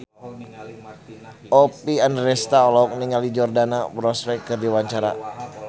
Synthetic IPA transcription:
ɔpianrɛst̪aɔlɔk̚niŋalid͡ʒɔrdanabɾɔspɛkːɨrdiwaɲt͡ʃaɾa̰

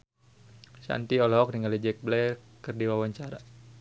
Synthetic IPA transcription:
sa̰nt̪iɔlɔɦɔk̚niŋɡalid͡ʒɛk̚blɛ | kərdiwawaɲt͡ʃaɾa

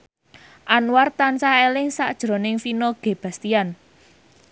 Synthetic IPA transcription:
ʔanwart̪ansaelɪŋsaʔd̥ʒ̥ɾo̤nɪŋfinɔɡ̥e̤b̥ä̤st̪ian

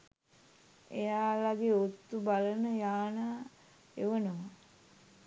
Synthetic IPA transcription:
ejaːlaɡeːot̪ːubalənəjaːnaː | eʋənoʋa

